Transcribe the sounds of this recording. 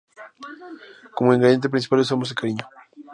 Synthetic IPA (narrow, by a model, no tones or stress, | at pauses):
komoẽŋɡɾeðjent̪epɾins̬ipalesomozðekaɾiɲo̥